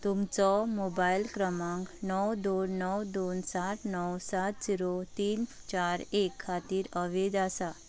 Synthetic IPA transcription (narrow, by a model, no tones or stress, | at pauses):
t̪umt͡sɔmobajlkɾəmãŋknɔwd̪onːɔwd̪onsaʈnɔwsat̪̚d͡ziɾot̪iːn | t͡ɕaɾekʰːat̪iːɾəʋed̪asa